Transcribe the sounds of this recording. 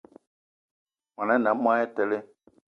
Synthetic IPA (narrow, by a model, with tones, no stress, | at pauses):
mã˨nã˦nã˨˦m˦a˦jɛ˦tɛ˨le˦